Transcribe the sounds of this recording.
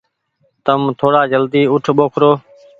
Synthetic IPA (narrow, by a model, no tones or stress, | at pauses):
t̪əmt̪ʰoːɽaːd͡ʒəld̪iːʊʈʰɓoːkʰɾoː